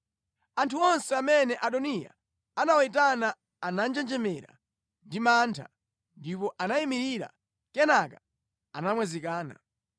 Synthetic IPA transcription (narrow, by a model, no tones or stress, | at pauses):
antʰuɔnsɛamɛnɛʔaɗɔnija̰ | anawaitana | anand͡ʒɛnd͡ʒɛmɛɾa̰ | ndimantʰa̰ | ndipɔʔanaimiɾiɾa̰ | kɛnaka | anamwɛzikaːna̰